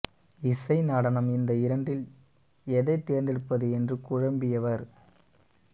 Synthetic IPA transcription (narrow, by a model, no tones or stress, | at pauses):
ɪsɐɪnɐɽɐnɐmɪnd̪ɐɪɾɐɳɖɪl | ɛðɐɪt̪ːeːɾnd̪ɪɽɯpːɐðɯɛndrɯkʊɻɐmbɪjɐʋɐɾ